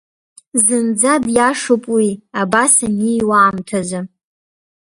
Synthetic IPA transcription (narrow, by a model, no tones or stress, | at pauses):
zɨnd͡zadjaʂupʼwiabasanijwaːmtʰazʷa